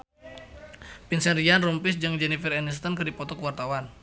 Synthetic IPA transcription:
pinsɛnrianrumpɪs̬d͡ʒɨŋd͡ʒɛnifɛɾɛnist̪ənkɨrdipɔt̪ɔkuwart̪awan

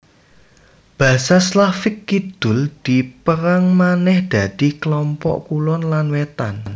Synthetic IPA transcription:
b̥ä̤saslafɪkːid̪̥ʊ̤ld̪̥i̤pəɾaŋmanɛhd̪̥ä̤d̪̥i̤kəlɔmpɔ̰ʔkulɔnlanwet̪an

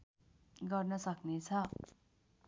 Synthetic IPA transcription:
ɡʌrnʌsʌknet͡sʰʌ

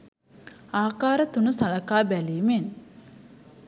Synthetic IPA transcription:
aːkaːɾət̪unusalɐkaːbæliːmen

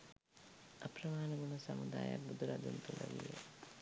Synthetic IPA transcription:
apɾəmaːnɐɡunusamud̪aːjabud̪uɾad̪unt̪ulɐʋijḛ

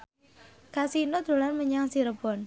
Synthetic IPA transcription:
kasinod̪̥o̤lanməɲaŋsiɾəb̥ɔn

